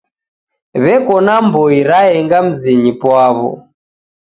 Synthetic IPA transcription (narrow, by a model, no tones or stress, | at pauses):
βɛkɔnambɔiɾaɛŋɡam̩ziɲipwaβɔ̰